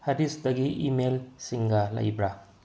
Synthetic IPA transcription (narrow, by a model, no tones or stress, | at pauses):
hɐdisdɐɡiʔimelsiŋɡɐlɐ̰jbɾa